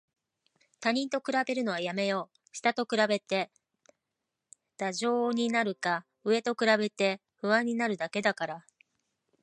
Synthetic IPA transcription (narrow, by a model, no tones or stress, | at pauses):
t̪aɲ̟ĩnt̪o̞kɯ̟ɾabe̞ɾɯ̟no̞βajame̞jo̞ː | ɕi̥t̪at̪o̞kɯ̟ɾabe̞t̪e̞ | d̪̥aʑo̞ːɲ̟inaɾɯ̟ka | ɯ̟e̞t̪o̞kɯ̟ɾabe̞t̪e̞ | ɸɯ̟βãɲ̟ːinaɾɯ̟d̪ake̞d̪akaɾa